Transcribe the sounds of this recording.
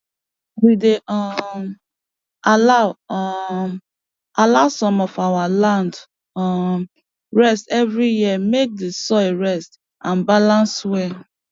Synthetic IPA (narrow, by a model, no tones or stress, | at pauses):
wideɔ | alaʊ | alaʊsɔ̃mɔfawalãnd | ɹɛstɛvɹijimek̚desɔeɹɛst | ãnbalãnswɛ